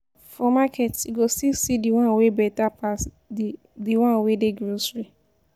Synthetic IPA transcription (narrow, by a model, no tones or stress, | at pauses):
fɔmakʰɛtiɡostilsidiwãnwebɛtapʰas | diwãnwedeɡɾosɹi